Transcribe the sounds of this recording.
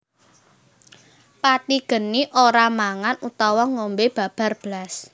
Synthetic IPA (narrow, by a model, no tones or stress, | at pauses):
pat̪iɡ̥ə̤niʔoɾamaŋanut̪ɔwɔŋombeb̥a̤b̥a̤rb̥əlas